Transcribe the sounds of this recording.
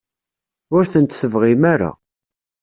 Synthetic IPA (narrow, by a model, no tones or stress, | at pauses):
ʊɾθənt̪səvʁimaɾa̰